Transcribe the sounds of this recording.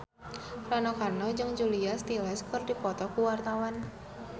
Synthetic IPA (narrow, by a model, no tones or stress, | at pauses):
ranɔkarnɔd͡ʒɨŋd͡ʒuliast̪ilɛskɨrdipɔt̪ɔkuwart̪awan